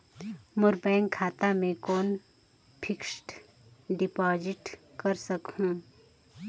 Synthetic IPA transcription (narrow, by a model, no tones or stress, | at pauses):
mʊɾbɛ̃ːŋkʰːaːt̪amẽkoːn | pʰɪksʈ | ɖɪpɔːd͡ʒɪʈkəɾsəkhũː